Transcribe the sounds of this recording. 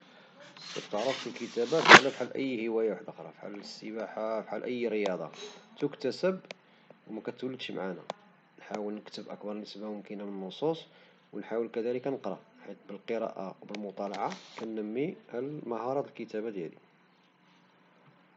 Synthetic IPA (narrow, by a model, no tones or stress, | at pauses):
kæ̰bt̪əʕɾˤəft̪əlkət̪æbafħalfħalːʔəjːhəwæjawaħd̪axɾˤɑ̰fħa̰lːəsːəbaħafħalʔəjːɾəjɑd̪ˤɑ̰t̪əkt̪æsəb | wmækæt̪wəlːəd̪ʃmaʕana̰ | nħawəlnəkt̪əbʔə̰kbɑɾˤnəsbamʊmkənamənənːosˤusˤ | wənħawəlkæd̪æləkænəqɾˤɑ̰ħit̪̚bəlqəɾɑ̰ʔa̰wbəlmʊt̪ˤɑlɑʕakænːəmːiʕlmɑhɑɾˤɑt̪əlkət̪æbad̪jælḭ